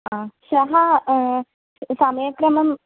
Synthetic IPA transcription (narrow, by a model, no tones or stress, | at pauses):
ɦãɕɐɦa | samjəkɾɐməm